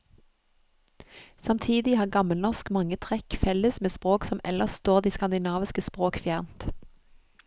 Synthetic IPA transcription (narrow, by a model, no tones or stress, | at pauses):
sɑmt̪ʰiːd̪ɪhɑːʁɡɑməlnɔʁskmɑŋət̪ʰʁɛkfɛləsmeːspʁoːksɔmɛ̰ləʁst̪oːʁd̪iːskɑnd̪ɪnɑːʋɪskəspʁoːkfjæːʁnt̪